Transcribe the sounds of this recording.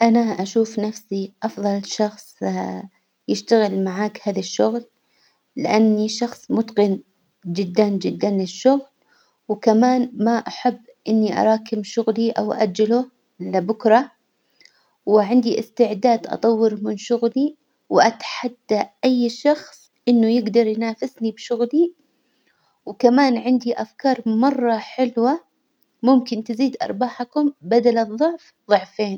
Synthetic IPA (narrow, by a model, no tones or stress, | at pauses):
ʔanaʔaʃuːfnafsiʔɑfðˤɑlʃɑxsˤ | jɪʃt̪aɣɪlmaʕaːkhaːðaʃːʊɣlː | ɪʔanːiʃɑxsˤmʊt̪qɪn | d͡ʒɪd̪ːand͡ʒɪd̪ːanlɪʃːʊɣl | wkamaːnmaʔaħabːʔɪnːiʔɑ̰ɾˤɑːkɪmʃʊɣliʔa̰wʔa̰d͡ʒːalʊ | lɪbʊkɾˤɑ | wɪʕɪnd̪iʔɪst̪ɪʕd̪aːd̪ʔɑ̰t̪ˤɑwːɪɾmɪnʃʊɣli | wʔat̪ħad̪ːaʔajːʃɑxsˤ | ʔɪnːʊjɪɡd̪ɑɾˤjnaːfɪsnibʃʊɣli | wkamaːnʕɪnd̪iʔafkɑːɾˤmɑrˤːɑħɪlwa | mʊmkɪnt̪ɪziːd̪ʔɑ̰ɾˤbaːħakʊmbad̪alɨðˤːʊʕf | ðˤʊʕfeːn